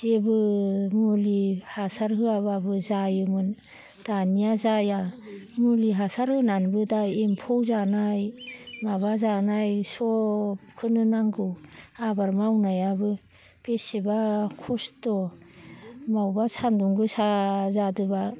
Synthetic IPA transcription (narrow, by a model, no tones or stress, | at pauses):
zebɯmulihasaɾɦɯababɯzajɯmɯn | d̥anijazajamuliɦasaɾhɯnanbɯdaempʰowzanajmaβazanajsɔp̚kʰɯnɯnaŋɡɯwabaɾmawnajabɯ | pesebakʰɔstɔ | mawbasʰanduŋɡɯsazadɯba